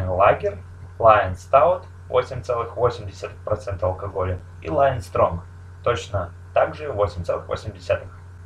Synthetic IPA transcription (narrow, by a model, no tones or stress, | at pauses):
lˠaɡʲɪr | lˠaɪnst̪aʊt̪ | vo̞̰sʲɪmʲt̪sɛlˠɨxvo̞sʲɪmʲdʲɪsʲat̪ɨxpɾɐt̪sɛnt̪əɐlˠkɐɡo̞lʲɪ | ḭlˠajɪnst̪ɾo̞m | t̪ot͡ɕnə | t̪aɡʐɨvo̞sʲɪmʲt̪sɛlˠɨxvo̰sʲɪmʲdʲɪsʲat̪ɨx